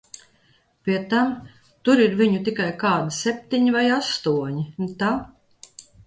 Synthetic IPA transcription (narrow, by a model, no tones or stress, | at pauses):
pʲiɛt̪am | t̪uɾiɾviɲut̪ikajkaːd̪isʲɛp̚ʲt̪iɲivajast̪uɔɲit̪a